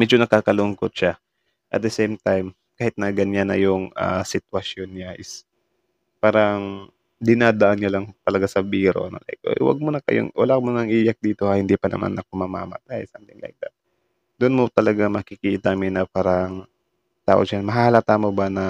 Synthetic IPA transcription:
mɛd͡ʒonɐkaːkɐlʊŋkot̪̚ʃa | ʔɐ̰t̪̚d̪ɛsɛjmt̪ajm | kaːhɪt̪̚nɐɡɐɲanɐ̰jʊŋa̰sɪt̪wɐsjonɲaʔɪs | paːɾɐŋ | d̪ɪnaːd̪ɐʔanɲalɐŋt̪ɐlɐɡasɐbiːɾo̞̰nolʔa̰jk̚ʔo̰jwɐ̰ɡ̚monɐkɐ̰jo̰ŋwɐ̰lakmonɐŋʔiːjɐk̚d̪iːt̪o̞ɐhɪnd̪ipɐnɐ̰ma̰nʔɐkomɐma̰ːmɐ̰t̪ajsʔnt̪ɪŋlɐ̰jk̚d̪ɐ̰t̪̚ | d̪ʊnmot̪ɐlɐɡamɐkɪkiːt̪ɐmɪnɐpaːɾɐŋ | t̪a̰ːʔot͡ʃanmɐɦaːlɐt̪aːmobanɐ

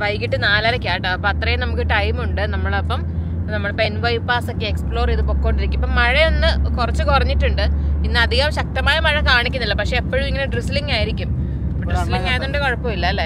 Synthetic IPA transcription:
ʋɐjkːiʈːɨnaːlaːɾɐkʲːaːʈːɨɐpːɐɐt̪rɐjenɐmukːɨʈɐjmuɳɖɨnɐmːɐɭɐpːɐm | nɐmːɐɭpenʋɐjpaːsokʲːɨekspɭo̞ːriðɨpo̞ːkːoːɳɖiɾikʲːumipːɐmːɐɻeo̞nːɨkurɐt͡ɕːɨkurɐɲːiʈːuɳɖɨinːɨɐd̪iɣɐmɕɐk̚t̪ɐmaːjɐmɐɻɐkaːɳikʲːunːilːɐpɐkʂe̞ːpːoɻumiŋːɐneɖrisliŋɡaːjiɾikʲːum | ɖrisliŋɡaːjɐðːuɳɖɨkoɻɐpːomilːɐlːe

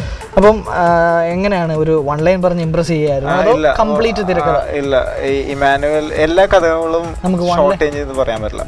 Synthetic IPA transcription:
ɐpːɐm | eŋːɐne̞jaːɳɨo̞ɾuʋɐɳlɐjnpɐrɐɲːɨimprɐs̬iɐjaːjiɾunːuɐðɨlːɐkɐmbɭiːtːɨt̪iɾɐkːɐðɐilːɐ̰iiːmaːnuʋɐlelːaːkɐd̪ʱɐŋɐŋːɐɭumnɐmuk̬ːɨʋɐɐwʈːeːɲd͡ʑenːɨpɐrɐjaːmɐtilɐ̰

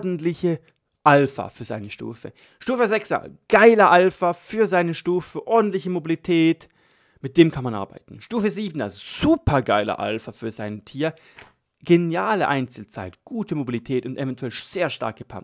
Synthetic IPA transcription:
dn̩tlɪçə | ʔalfa̰fyːɐzaɪnəʃtṵːfə̰ | ʃtuːfəzɛksɐ̰ɡ̥aɪlɐʔalfafyːɐzaɪnəʃtuːfəʔɔɐdn̩tlɪçəmobilitʰɛːt | mɪt̚d̥eːmkʰanmanʔa̰ɐba̰ɪtn̩ʃtuːfəziːbn̩a̰lzoz̥uːpʰɐɡaɪlɐ̰ʔa̰lfafyːɐzaɪntʰiːɐ | ɡ̥enjaːləʔaɪnt͡sl̩t͡sa̰ɪtɡ̥uːtʰəmobilitʰɛːtʊntʔɛvɛntʰuɛlʃz̥eːɐʃta̰ɐk̚ɡ̥əpʰa̰

